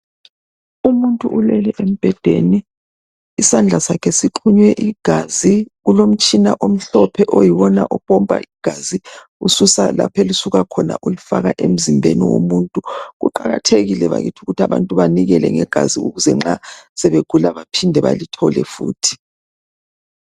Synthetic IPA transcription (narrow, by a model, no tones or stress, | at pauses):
umuntʼṵʔulɛlɛʔem̩b̥ʱɛd̥ʱeni | isand͡ɮʱasakʰɛsiǃʰuɲwɛʔiɡ̥ʱaziɣulom̩t͡ʃʼinaʔom̩ɬɔpʰɛʔojiwɔna̰ʔɔpʼɔmpʼa̰ʔiɡ̥ʱazi | ṵsusa̰la̰pʰelusuɣakʰɔna̰ʔulufaɣaʔem̩zimbʱenḭwo̰muntʼuɣṵǃaɣatʰeɣilɛβa̰ɣḭtʰuɣutʰaβa̰ntʼuβaniɣɛlɛ̰ŋɛɡ̥ʱaziuɣuzɛŋ͡ǁasɛβeɡ̥ʱulaβapʰindʱɛβa̰litʰɔlɛ̰fṵːtʰi̥